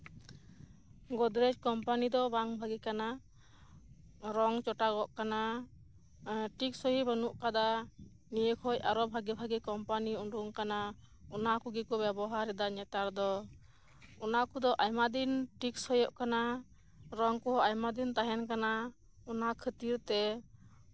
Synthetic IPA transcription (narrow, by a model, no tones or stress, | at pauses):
ɡɔd̪ɾed͡ʒkɔmpanid̪ɔbaŋbʱaɡikana | ɾɔŋt͡ʃɔʈaɡɔʔkana | ʈiksɔɦibənuʔkad̪a | nijəkʰɔjaɾɔbʱaɡibʱaɡikɔmpaniunɖuŋkana | ɔnakuɡikɔbɛbɔɦaɾɛd̪aɲɛt̪aɾd̪ɔ | ɔnakud̪ɔʔajmad̪inʈikshɔjɔʔkana | ɾɔŋkɔajmad̪int̪aɦɛnkana | ɔnakʰət̪iɾt̪ɛ